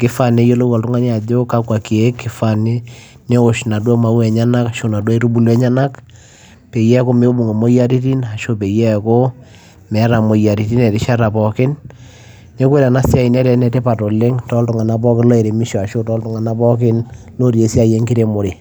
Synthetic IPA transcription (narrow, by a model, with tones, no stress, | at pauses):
kɪ˦fa˦ne˦jo˦lo˦wa˨ltʊ˦ŋa˦ɲɛ˦a˨d͡ʒo˦ka˦kwa˨ki˨e˦kːɪ˨fa˨nɪ˦ | ne˦o˨ʃna˨dwɔ˦ma˦wɛ˨ɲa˦na˦ka˨ʃo˦˨na˨dwa˦i˦ɾu˦bu˨lɛ˦ɲa˦na˦k | pe˨jɛ˦ko˦me˦o˦bu˨ŋe˨mo˦ja˦ɾi˦ti˦na˨ʃo˦pe˨jɛ˦˨ko˦ | mɛ˨˦ɾa˨mo˨ja˨ɾi˨ti˦nɛ˨ɾɪ˦ʃa˦ɾa˨pɔ˨kɪ˦n | ne˦kwe˦lɛ˨na˦sja˦i˨nɛ˦ɾɛ˨nɛ˦te˦pa˨to˨le˦ŋtɔ˦ltʊ˨ŋa˨na˨˦p̬ɔ˦kɪ˦nlɔ˦e˨ɾe˨mi˦ʃɔ˨a˨ʃo˦tɔ˦ltʊ˦ŋa˨na˦pɔ˦kɪ˦n | lo˦ɾje˨si˦a˦˨je˦ŋkɪ˦ɾe˦mo˨ɾe˨